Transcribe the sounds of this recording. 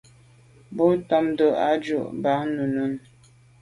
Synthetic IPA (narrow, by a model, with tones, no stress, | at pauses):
bo˦tɔ˦mdo˦ʔa̰˦d͡ʒo̰˦˨ʔba˨˦ŋ˦nu˨nu˦n